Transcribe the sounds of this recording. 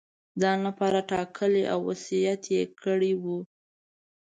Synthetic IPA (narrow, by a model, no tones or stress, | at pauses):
d̪ɑnapɑɾaʈɑkʰəleʔa̰wːasijat̪jekʰəɽiwu